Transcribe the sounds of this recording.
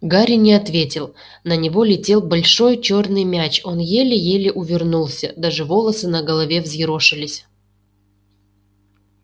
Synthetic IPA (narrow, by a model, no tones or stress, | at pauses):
ɡaɾʲɪnʲɪɐt̪vʲetʲɪlˠ | nənʲɪvo̞lʲɪtʲe̞lˠbɐlʲʂo̞jt͡ɕo̞rnɨjmʲæt͡ɕo̞njelʲɪjelʲɪʔʊvʲɪrnulˠsʲəd̪aʐɨvo̞lˠəsɨnəɡəlˠɐvʲe̞vzʲjɪɾo̞ʂɨlʲɪsʲ